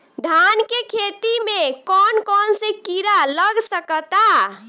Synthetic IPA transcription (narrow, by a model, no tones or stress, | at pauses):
d̪ʱankekʰet̪imekɔnkɔnsẽkiɾaləɡsəkət̪a